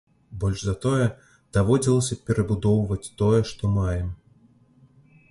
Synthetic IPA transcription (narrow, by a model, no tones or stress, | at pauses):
bɔlʲʐzɐt̪ɔjɛ | d̪̥avɔd͡zʲilˠɐsʲɐpʲɛɾɐbud̪ɔwvɐt͡sʲt̪ɔjɛʂt̪ɔmajɛm